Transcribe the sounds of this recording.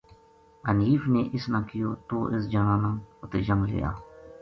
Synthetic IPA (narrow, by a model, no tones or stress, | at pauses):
əniːfneːʔɪsnãːkɪjoːt̪oːʔɪs̬d͡ʒanãːnãːʊt̪eːd͡ʒəmlḛja̰ː